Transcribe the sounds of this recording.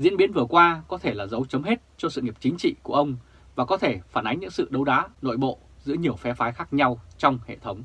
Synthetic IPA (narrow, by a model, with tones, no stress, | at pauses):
zḭ˧˥ənɓi˨˦ənvɨ˨˩əkwaː˧kɔ˨˦t̪ʰe˧˩laː˨˩zə˨˦wt͡ɕə˨˦mɦe˦˥t̚t͡ɕɔ˧sɨ̰˧˨ŋi˨˩əp̚t͡ɕï˨˦ŋ̟t͡ɕḭ˧˨ku˧˩əʔə˧wŋ͡m | vaː˨˩kɔ˨˦t̪ʰe˧˩faː˧˩nʔa˨˦ŋ̟ɲɨ̰˧˥ŋsɨ̰˧˨ɗə˨˦wɗaː˨˦no̰˧˨jɓo̰˧˨ | zɨ̰˧˥əɲi˨˩əwfɛ˨˦faː˨˦jxaː˦˥k̚ɲa˧wt͡ɕɔ˧wŋ͡mhḛ˧˨t̪ʰə˨˦wŋ͡m